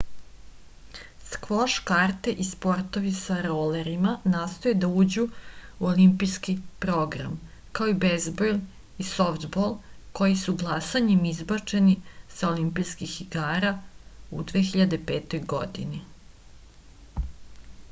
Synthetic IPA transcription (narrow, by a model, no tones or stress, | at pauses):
skʋoʃkaːɾt̪eʔispo̞ɾt̪o̞ʋisaɾoleɾimanaːst̪o̞jed̪auːd͡ʑuuolimpijskipɾo̞ɡɾa̰m | kaoibezbol | isoft̪bolˠko̞jisuɡlˠasaɲemizbat͡ʂenisaolimpijskixiɡaːɾaud̪ʋexiʎad̪e̞peːt̪o̞jɡo̞̰d̪ini